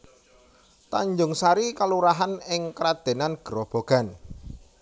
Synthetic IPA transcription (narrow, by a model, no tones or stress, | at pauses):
t̪aɲd͡ʒʊŋsaɾikaluɾaɦanɪŋkɾad̪̥e̤nanɡ̥əɾɔb̥o̤ɡ̥a̤n